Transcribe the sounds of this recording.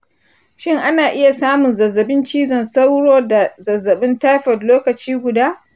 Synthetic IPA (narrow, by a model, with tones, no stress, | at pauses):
ʃɪ˦ŋʔa˦naː˨ʔɪ˦ja˨saː˦mʊ˨nzɐ˨zːɐ˨bɪ˦nt͡ʃiː˦zɔ˨nsa˦wɽoː˦da˨zɐ˨zːɐ˨ɓɪ˦nta˦jɸɔ˨dloː˦kɐ˨t͡ʃiː˦ɡʷʊ˨daː˦